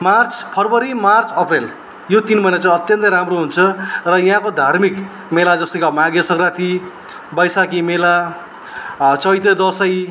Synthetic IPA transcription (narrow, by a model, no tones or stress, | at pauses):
mart͡spʰʌrbʌɾimart͡sʌprel | jot̪inmʌjnat͡sʌ̃ʌt̪jʌnt̪ʌjɾamroɦunt͡sʰʌrʌjɦãkod̪ʱarmik | melad͡zʌst̪ʌkamaɡjʌsʌŋɡrat̪i | bʌjsakimela | t͡sʌjt̪ʌd̪ʌsʌj